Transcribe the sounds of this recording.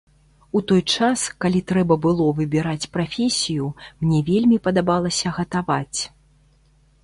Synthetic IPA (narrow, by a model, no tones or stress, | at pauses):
ut̪ɔjt͡ʂaskalʲit̪ɾɛbɐbɨlˠɔvɨbʲiɾat͡sʲpɾafʲɛsʲijumnʲɛvʲelʲmʲipɐd̪abalˠɐsʲɐɣɐt̪avat͡sʲ